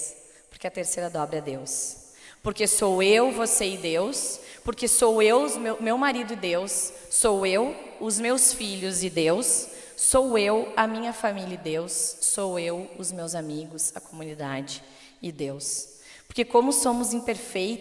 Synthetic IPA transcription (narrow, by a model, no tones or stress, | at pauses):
s | poɾkeɐt̪eɾsejɾɐd̪ɔbɾɪɛd̪ews | poɾkesowewvoseɪd̪ewspoɾkesowewʊzmewmewmaɾid̪ʊɪd̪ewsː | owew | ʊzmewsfiʎʊzɪd̪ewsː | owewɐmĩɲɐfamilɐɪd̪ewsːowewʊzmewzamiɡʊsɐkomũnid̪ad͡ʒɪ | ɪd̪ews | poɾkekõmʊsõmʊzĩpeɾfej̪